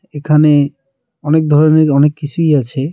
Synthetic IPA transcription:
ekʰane | ɔnek̚d̪ʱɔɾoneɾɔnekːit͡ɕʰujat͡ɕʰe

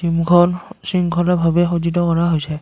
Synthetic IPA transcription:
simɡɔnsimɡʰʱɔnabʱabɛxozit̬ɔkɔɹaɦojsɛ

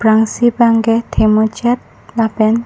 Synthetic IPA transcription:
bɾaŋsibaŋɡɛt̪ʰɛmot͡ʃɛt̪̚ | labɛn

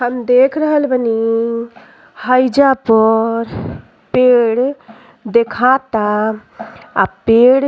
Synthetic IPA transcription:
ɦəmd̪ekʰɾəɦəlbəni | həjd͡ʒapəɾ | peɽ | d̪ekʰat̪a | apeɽ

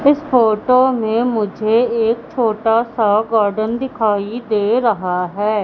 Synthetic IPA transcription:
ɪsfoːʈoːmẽmʊd͡ʒʱeeːk̚t͡ʃʰoːʈasaɡaːɾɖənd̪ɪkʰaːid̪eːɾɐɦaɦɛː

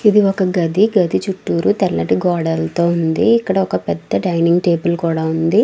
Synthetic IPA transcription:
id̪iɔkɐɡɐd̪ʱiɡɐd̪ʱit͡ʃuʈːuːɾut̪ɛlːɐʈiɡɔːɽɐlt̪o̞ːund̪ḭːkːɐɽɐɔkɐpɛd̪ːɐɖɐjniŋɡʈeːbɐlkuːɽaːund̪i

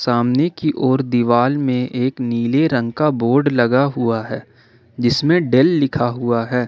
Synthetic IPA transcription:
saːmnekiʔɔːɾd̪iʋaːlmẽʔeːkniːleɾə̃ŋɡkaboːɾɖlɐɡaɦʊaɦɛː | d͡ʒɪsmẽɖelːɪkʰaɦuaɦɛː

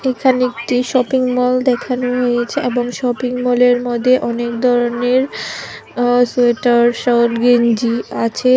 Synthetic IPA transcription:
ekʰanekʈiʃɔpiŋmɔld̪ɛkʰanoɦojet͡ɕʰeʔeboŋʃɔpiŋmɔleɾmɔd̪ʱːeʔɔnekd̪ʱɔɾoneɾ | sueʈaɾʃaoʈɡend͡ʑiat͡ɕʰe

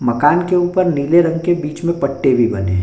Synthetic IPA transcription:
mɐkaːnkeuːpəɾniːleɾɐ̃ŋɡkebiːt͡ʃmẽpɐʈːebʱibɐ̰nḛ̃

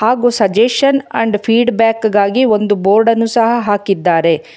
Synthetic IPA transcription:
haːɡusɐd͡ʒeʂɐnɐ̰ɳɖpʰiːɖbaːkɡaːɡio̞nd̪uboːɾɖɐnusɐɦɐɦaːkid̪ːaːɾe̞

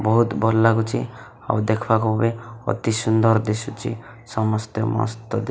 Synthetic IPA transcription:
bɔɦut̪bɔlːakut͡ʃʰi | a̰wd̪ekʰbakɔbɔbeɔ̰t̪isund̪ɔɾd̪esut͡ʃʰi | sɔmɔst̪ɔmɔ̰st̪ɔd̪e

